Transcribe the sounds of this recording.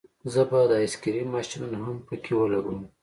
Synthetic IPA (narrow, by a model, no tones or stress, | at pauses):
zəbad̪ɪskiɾimɑʃinunaɦampəkʰewəlaɡum